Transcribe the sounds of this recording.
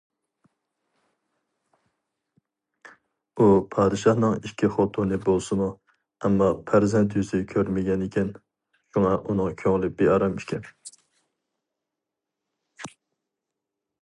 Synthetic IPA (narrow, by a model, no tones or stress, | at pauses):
upʰɑːd̪ɪʃɑhnɨŋikʲʰːiχot̪ʰunɪbolˠsɨmu | ɛmːɑpʰæɾzɛnt̪jyzɪkʲʰøɾmɪɡʲɛnɪkʲʰɛn | ʃuŋɑʔunɨŋkʲʰøŋlˠɪp̚b̥eɑɾɑmɪʃkʲʰɛ